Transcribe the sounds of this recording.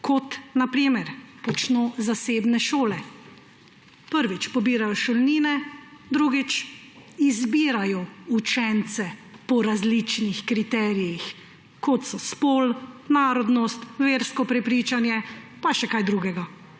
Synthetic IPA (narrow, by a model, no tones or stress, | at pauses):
kʰɔt̪napɾimɛɾpɔt͡ʃnoːzaseːbnɛʃoːlɛ | pəɾʋit͡ʃpɔbiːɾajɔʃɔlniːnɛd̪ɾuɡit͡ʃ | izbiːɾajɔut͡ʃɛnt̪sɛpɔɾazlit͡ʃnixkɾit̪ɛːɾijix | kɔt̪sɔspoːlnaːɾɔd̪nɔst̪ʋeːɾskɔpɾɛpɾiːt͡ʃanjɛpaʃɛkajd̪ɾuɡɛɡa